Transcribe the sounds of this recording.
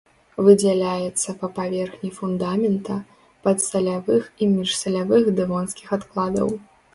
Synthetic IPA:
vɨd͡zʲɛlʲajɛt̪sːɐpɐpavʲɛrxnʲifund̪amʲɛnt̪ɐ | pɐt̪sɐlʲavɨximʲiʂsɐlʲavɨxd̪ɨvɔnskʲixat̪klˠad̪ɐ̰w

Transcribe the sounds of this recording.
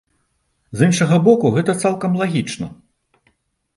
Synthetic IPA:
zinʂɐɣɐbɔkuɣɛt̪ɐt̪salˠkɐmlˠaɣʲit͡ʂnɐ

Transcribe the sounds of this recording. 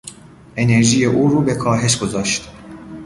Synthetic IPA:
ɛnɛɾʒijeʔuɾubɛkʰɑːɦɛʃkozaʃt̪

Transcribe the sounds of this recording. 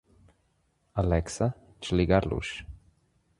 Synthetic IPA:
alɛksa | t͡ʃliɡaɾlṵʃ

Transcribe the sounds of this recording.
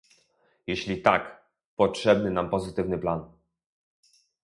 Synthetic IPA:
jeɕlʲit̪ak | pɔtʂɛbnɘnampɔzɘt̪ɘvnɘplan

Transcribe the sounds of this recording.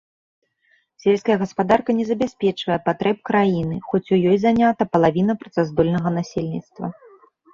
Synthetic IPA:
sʲelʲskɐjɐɣɐspad̪arkɐnʲɛzɐbʲasʲpʲɛt͡ʂvɐjɛpat̪ɾɛp̚kɾajinɨxɔt͡sʲujɔjzanʲat̪ɐpɐlˠavʲin̪ɐpɾɐt̪sazd̪ɔlʲnɐɣɐnasʲelʲnʲit̪st̪vɐ̰

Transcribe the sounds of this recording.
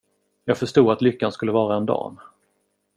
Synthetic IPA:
jɑːɡ̥fœʂʈuːɡat̪lʏkːanskɵlːəvɑːɾaɛnd̪ɑ̰ːn

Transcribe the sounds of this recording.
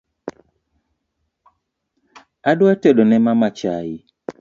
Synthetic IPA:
adwatedonɛmamat͡ʃajɪ

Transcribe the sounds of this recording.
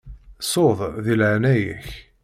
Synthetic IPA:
soðˤðilʕnæjæ̰ç

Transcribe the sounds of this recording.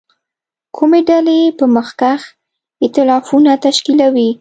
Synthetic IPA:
kʰumeɖalepəməxkax | ɪt̪ɪlɑfunat̪aʃkilawi

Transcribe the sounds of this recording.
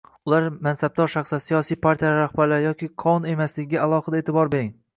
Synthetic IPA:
ʊlaɾmansab̚d̪ɒɾʃaχsasijɒsijpʰaɾt̪ʰijaɾahbaɾlaɾjɒkʲɪqʰɒne̞maslɪɡʲɪɡʲaalˠɒhɨd̪aet̪ʰɪbɒɾbe̞ɾɪŋ

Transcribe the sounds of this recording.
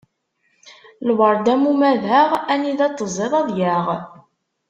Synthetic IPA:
lwəɾˤd̪æmumæðaʁæniðæt͡s̪ˤːəzˤeðˤɑðˤjæʁ

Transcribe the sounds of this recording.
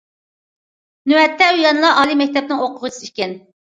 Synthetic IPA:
nyɛt̪ʰːɛyjɑnlˠɑʔɑːlˠimɛk̚ʲt̪ʰɛp̚nɪŋoqʰʊʁət͡ʃʰi̥siʃkʲɛn

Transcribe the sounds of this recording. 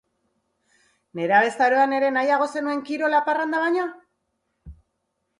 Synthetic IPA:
ne̞ɾaβe̞st̪aɾoane̞ɾe̞najaɣ̞o̞se̞nue̞ŋkiɾo̞laparand̪aβaɲa

